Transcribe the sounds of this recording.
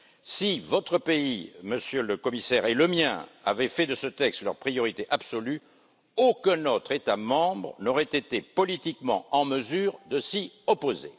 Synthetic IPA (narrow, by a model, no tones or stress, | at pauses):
sivɔt̪χəpeiməsjøləkɔmisɛʁeləmjɛ̰̃a̰vɛfɛd̪əsət̪ɛkst̪lœʁpχijɔʁit̪eʔabsɔly | okɛ̃not̪χet̪amɑ̃bʁnɔʁɛt̪et̪epɔlit̪ikmɑ̰̃ɑ̃məzyːʁd̪əsiɔpozḛ